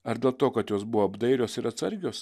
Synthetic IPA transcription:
ɐɾd̪ʲeːlˠt̪oːkɐt̪joːsbʊʋoɐbd̪ɐɪɾʲoːsɪɾɐt̪sɐɾʲɡʲoːs

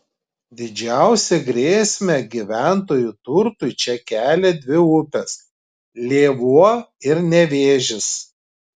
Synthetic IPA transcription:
d̪ʲɪd͡ʒʲæˑʊsʲɛɡɾʲeːsʲmʲɛɡʲiʋʲæˑnt̪oːjut̪ʊɾt̪ʊɪt͡ʃʲɛkʲæːlʲɛd̪ʲʋʲɪʊpʲɛs | lʲeːʋuɔɪɾnʲɛʋʲeːʒʲɪs

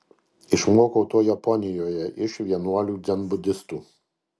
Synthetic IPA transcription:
ɪʃmuɔkɔʊt̪uɔjɐpɔnʲɪjoːjɛʔɪʃʋʲiɛnuɔlʲuːd̪ʲɛnbʊd̪ʲɪst̪uː

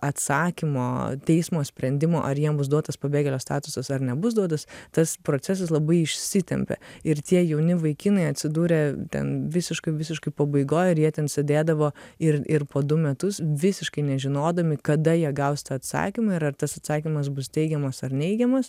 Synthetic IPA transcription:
ɐt̪sɑːkʲɪmo̰ːt̪ʲɛɪsmoːsʲpʲɾʲɛnʲd̪ʲɪmo̰ːʔɐrjiɛmbʊs̬d̪uɔt̪ɐspɐbʲeːɡʲɛlʲoːst̪ɑːt̪ʊsɐsɐrnʲɛbʊs̬d̪uɔt̪ɐst̪ɐspɾoːt͡ssʲɛs̬ɐs̬lˠɐbɐɪɪʃʲsʲɪt̪ʲɛ̰mʲpʲɛ̰ɪɾt̪ʲiɛjɛʊnʲɪʋɐɪkʲinɐɪɐt̪ʲsʲɪd̪uːɾʲeːt̪ʲɛ̰nʋʲɪsʲɪʃkɐɪʋʲɪsʲɪʃkɐɪpɐbɐɪɡoːjɪɾjiɛt̪ʲɛnsʲɛd̪ʲeːd̪ɐʋoːɪrɪɾpoːd̪ʊmʲɛt̪ʊsʋʲɪsʲɪʃkɐɪnʲɛʒʲɪnoːd̪ɐmʲɪkɐd̪ɐjiɛɡɐʊst̪ɐɐt̪sɑ̰ːkʲimɐɪɾɐrt̪ɐsɐt̪sɑːkʲimɐs̬bʊst̪ʲɛɪɡʲɛmɐsɐrnʲɛɪɡʲɛmɐs

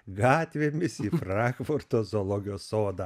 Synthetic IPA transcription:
ɡɑːt̪ʲʋʲeːmʲɪsiːfɾɑŋkfʊɾt̪oːzoːlˠoːɡʲɪjoːsːoːd̪ɐ

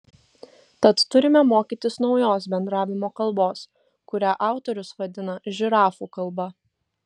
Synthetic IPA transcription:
t̪ɐt̪ːʊɾʲɪmʲɛmoːkʲiːˑt̪ʲɪsnɒʊjoːsbʲɛnd̪ɾɑːʋʲɪmoːkɐlˠˑboːs | kʊɾʲæːʔɑˑʊt̪ɔɾʲʊsʋɐd̪ʲɪnɐʒʲɪɾɑːfuːkɐlˠbɐ

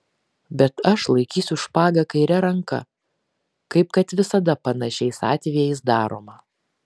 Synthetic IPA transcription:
bʲɛt̪ɐʃlˠɐɪkʲiːsʲʊʃpɑːɡɐkɐɪɾʲɛɾɐŋkɐ̰ | kɐɪp̚kɐt̪ʋʲɪsɐd̪ɐpɐnɐʃʲɛɪsɑ̰ːt̪ʲʋʲiɛɪsd̪ɑːɾo̰ːmɐ

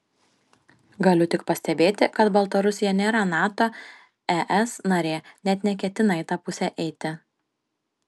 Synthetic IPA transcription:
ɡɐlʲʊt̪ʲɪkpɐsʲt̪ʲɛbʲeːt̪ʲɪkɐt̪bɐlˠt̪ɐɾʊsʲɪjɛnʲeːɾɐnɑːt̪oː | ɛʔɛsnɐɾʲeːnʲɛt̪nʲɛkʲɛt̪ʲɪnɐɪt̪ɑpʊsʲɛʔɛɪt̪ʲɪ

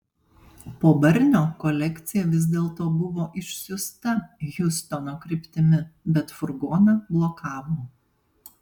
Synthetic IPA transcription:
poːbɐɾʲnʲoːkɔlʲɛkʲt̪sʲɪjɛʋʲɪzʲd̪ʲeːlˠt̪oːbʊʋoːʔɪʃʲsʲʊst̪ɐjʊst̪ɔnoːkɾʲɪpʲt̪ʲɪmʲɪbʲɛt̪fʊɾɡoːnɐblˠɔkɑːʋoː

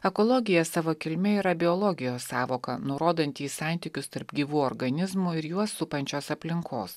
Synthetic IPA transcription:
ɛkɔlˠɔɡʲɪjɛsɑːʋoːkʲɪlʲmʲɛiːɾɐbʲɪɔlˠɔɡʲɪjoːsːɑːʋoːkɐ̰nʊɾoːd̪ɐnʲt̪ʲiːsɑˑnʲt̪ʲɪkʲʊst̪ɐɾpɡʲiːʋuːɔɾɡɐnʲɪzmʊɪɾjuɔsʊpɐnʲt͡ʃʲoːsɐpʲlʲɪŋkʰo̰ːs

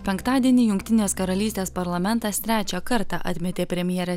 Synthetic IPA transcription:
pʲɛŋkt̪ɑːd̪ʲiɛnʲiːjʊŋʲkt̪ʲɪnʲeːskɐɾɐlʲiːsʲt̪ʲeːspɐɾlˠɐmʲɛnt̪ɐst̪ʲɾʲæːt͡ʃʲɛkɐɾt̪ɑʔɐ̰t̪ʲmʲɛt̪ʲeːpʲɾʲɛmʲjɛɾʲɛ

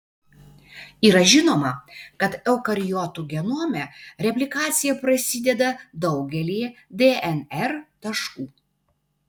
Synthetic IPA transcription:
iːɾɐʒʲɪnoːmɐkɐt̪ɛʊkɐɾʲɪjɔt̪uɡʲɛnuːmʲɛɾʲɛpʲlʲɪkɑːt̪sʲɪjɛpɾɐsʲɪd̪ʲɛd̪ɐd̪ɒʊɡʲɛlʲiːjɛd̪ʲeːɛnɛɾt̪ɐʃkuː

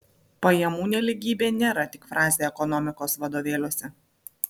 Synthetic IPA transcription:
pɐjɛmuːnʲɛlʲɪɡʲiːbʲeːnʲeːɾɐt̪ʲɪkfɾʔɑːzʲeɛkɔnɔmʲɪkoːsʋɐd̪oːʋʲeːlʲoɔsʲɛ

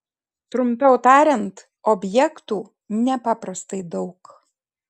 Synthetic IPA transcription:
t̪ɾʊmʲpʲɛʊt̪ɑːɾʲɛnt̪ | ɔbʲjɛkt̪uː | nʲɛpɑːpɾɐst̪ɐɪd̪ɒʊk

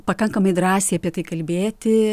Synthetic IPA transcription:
pɐkɐŋkɐmɐɪd̪ɾɑːsʲeɪɐpʲiɛt̪ɐɪkɐlʲbʲeːt̪ʲɪ

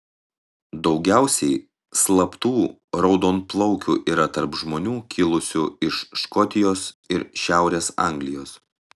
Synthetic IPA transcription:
d̪ɒʊɡʲæˑʊsʲɛɪ | slˠɐpt̪uːɾɒʊd̪oːnplˠɔʊkʲuːʔiːɾɐt̪ɐɾpʒmoːnʲuːkʲʰɪlˠʊsʲʊɪʃʃkɔt̪ʲɪjoːsɪɾʃʲæˑʊɾʲeːsɑ̰ˑŋʲɡlʲɪjoːs

